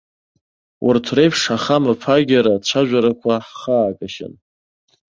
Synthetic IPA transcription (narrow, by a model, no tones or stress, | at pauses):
wʔʊ̰rtʰrejpʰʂaχamapʰaɡʲaɾat͡ɕʷʰaʒᶣʷaɾakʷʰaħχaːkʼaʃɪ̰n